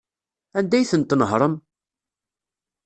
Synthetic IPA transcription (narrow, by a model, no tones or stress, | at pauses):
ænd̪æjθənt̪nəɦɾˤəm